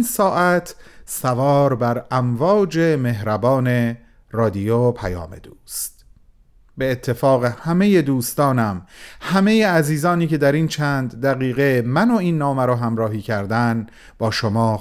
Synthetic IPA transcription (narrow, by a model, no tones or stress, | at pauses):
nsɒːʔæt̪ʰsævɒːɾbæɾæmvɒːd͡ʒeme̞ɦɾæbɒːne̞ | rɒːd̪ijopʰæjɒ̰ːmḛd̪uːst̪ | beːt̪ʰːe̞fɒːɣe̞hæme̞je̞d̪uːst̪ɒːnæmhæme̞jeæziːzɒːniːce̞d̪æɾiːnt͡ʃʰænd̪ːæɣiːɣemænoiːnːɒːmæɾɒːɦæmɾɒːɦiːcʰæɾd̪æn | b̥ɒːʃomɒː